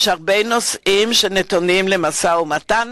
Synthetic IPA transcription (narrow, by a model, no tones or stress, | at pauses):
ʃaʁbejno̞sʔimʃenetonimle̞masaumatan